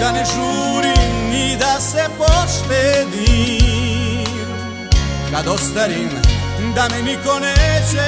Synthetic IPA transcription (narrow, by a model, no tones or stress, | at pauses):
d̪aneʒuɾinid̪asepɔsped̪i | kad̪ɔst̪aɾinand̪anenikonɛt͡ʃe